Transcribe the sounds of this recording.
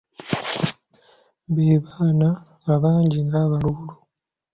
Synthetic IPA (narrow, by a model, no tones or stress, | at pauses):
βeːβaːnaŋaβaːɲɟiŋɡaːβalulu